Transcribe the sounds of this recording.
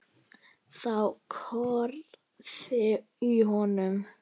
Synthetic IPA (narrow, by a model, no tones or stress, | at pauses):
θawkʰɔɾ | ðɪ | iɦɔnʏm